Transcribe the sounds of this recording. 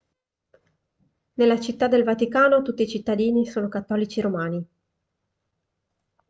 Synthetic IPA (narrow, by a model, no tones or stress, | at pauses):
nelːat͡ʃit̪ːad̪elvat̪ikaːnot̪ut̪ːiːt͡ʃit̪ːad̪iːnisoːnokat̪ːɔːlit͡ʃiɾomaːni